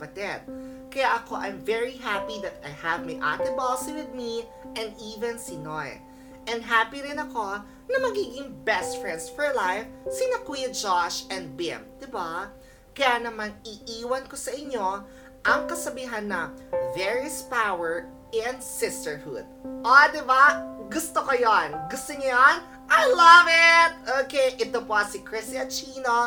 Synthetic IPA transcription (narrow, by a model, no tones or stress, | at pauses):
pɐt̪ɛt̪̚ | kɐjaʔɐko̞ʔɐjmvɛɹiɦapid̪ɐt̪ajhɐvmɐjʔa̰t̪ɪbɔlsiwɪd̪̚mi | ʔɛ̃nd̪ʔiːvɛ̃nsinoj | ʔɛnd̪ɦapiɾɪnɐko̞ | nɐmɐɡiːɡɪŋbɛst̪fɹɛnd̪sfɔɹlajfsinɐkwid͡ʒaʃɛ̃nd̪̚bɪ̰md̪ɪba | kɐjanɐmanɪʔiːwɐnkosɐʔɪɲːo | ʔɐŋkɐsɐbiːɦɐnːɐvɛɹispawɛɹ | ʔɛnsɪst̪ɛɹhṵd̪̚ʔod̪ɪbaɡʊst̪okojonɡʊst̪oɲɐjon | ʔajlɐvɪt̪̚ʔoːkejʔɪt̪d̪opwasikɹɪsiɐt͡ʃiːno